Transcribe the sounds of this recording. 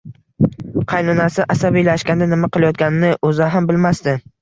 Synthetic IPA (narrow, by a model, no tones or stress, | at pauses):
qʰɑjnʊnasɪʔasabijlaʃkʲand̪anɪmaqɨlˠajɒt̪̚kʲanɪnɪʔɵzaɦambɪlmast̪ɪ